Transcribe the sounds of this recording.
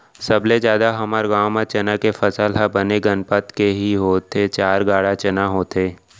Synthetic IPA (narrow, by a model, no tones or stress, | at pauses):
sɐbled͡ʒjaːd̪aɦɐməɾɡaːwmat͡ʃɐnakefɐsəlɦabəneɡənpət̪keɦiɦoːt̪ʰet͡ʃaːɾɡaːɽat͡ʃɐnaɦoːt̪ʰeː